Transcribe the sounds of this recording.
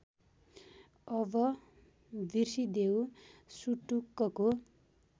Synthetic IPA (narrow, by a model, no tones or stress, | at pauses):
ʌbʌ | bʱirsid̪ewsuʈukːʌko